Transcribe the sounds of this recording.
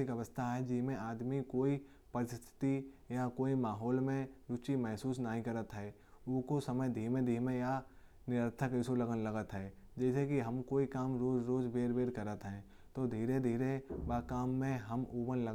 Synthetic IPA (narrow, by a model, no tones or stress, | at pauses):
ɪkɐʋəst̪ʰaɦɛd͡ʒɪsmẽaːd̪mikoːi | pɐɾɪst̪ʰɪ̥t̪ijakoːimaːɦɔːlmẽɾʊt͡ʃimɛɦsuːsnaɦĩkɐɾət̪ɦɛː | ʊkosəməjd̪ʱiːmẽd̪ʱiːmẽja | nɪɾət̪ʰəkɪsolɐɡənlɐɡət̪ɦɛːd͡ʒɛːsekiɦɐmkoːikaːmɾoːd͡ʒɾoːd͡ʒbeːɾbeːɾkəɾət̪ɦɛ̃ː | t̪od̪ʱiːɾed̪ʱiːɾebaːkaːmːẽɦɐmuːbənlə